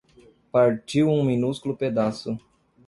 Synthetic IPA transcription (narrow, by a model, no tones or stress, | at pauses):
paɾt͡ʃiwũmĩnuskulʊped̪asʊ